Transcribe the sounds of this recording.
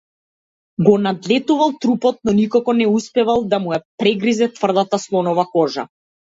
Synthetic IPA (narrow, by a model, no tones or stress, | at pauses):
ɡɔnad̪lɛt̪uvalˠt̪ɾupɔt̪̚nɔnikɔkɔnɛuspɛvalˠd̪amujapɾɛɡɾizɛt̪vr̩d̪at̪aslˠɔnɔvakɔʒa̰